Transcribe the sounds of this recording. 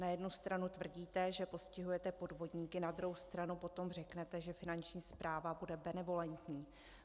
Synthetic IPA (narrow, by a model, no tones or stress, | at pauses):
najɛdnust̪ɾanut̪vr̩ɟiːt̪ɛʒɛpo̞scɪɦujɛt̪ɛpo̞dvo̞dɲiːkɪnad̪ɾuɦowst̪ɾanupo̞t̪o̞mr̝ɛknɛt̪ɛʒɛfɪnant͡ʃɲiːspɾʔaːvabudɛbɛnɛvo̞lɛnt̪ɲiː